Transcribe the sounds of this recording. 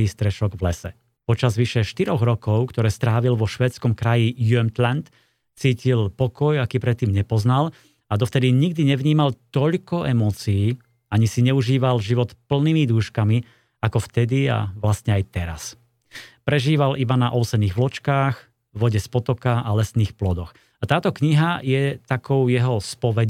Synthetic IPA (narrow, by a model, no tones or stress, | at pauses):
iːst̪ɾɛʃɔɡʋlɛsɛ | pɔt͡ʃazʋiʃɛʃt̪iɾɔɣɾɔkɔʊkt̪ɔɾɛːst̪ɾaːʋilʋɔʃʋɛːt͡skɔmkɾajijuɛmt̪lant̪ | t͡siːcilpɔkɔjakiːpɾɛt̪ːiːmɲɛpɔznal | ad̪ɔft̪ɛd̪iɲiɡ̚d̪iɲɛʋɲiːmalt̪ɔʎkɔʔɛmɔːt͡siiː | aɲisiɲɛuʒiːʋalʒiʋɔt̪pl̩niːmid̪uːʃkami | akɔft̪ɛd̪ia̰ʋlastɲɛajt̪ɛɾa̰s | pɾɛʒiːʋalʔibanaʔɔʊsɛniːɣʋlɔt͡ʃkaːx | ʋɔɟɛspɔt̪ɔkaʔalɛsniːxplɔd̪ɔx | at̪aːt̪ɔkɲiɦajɛt̪akɔʊjɛɦɔspɔʋɛ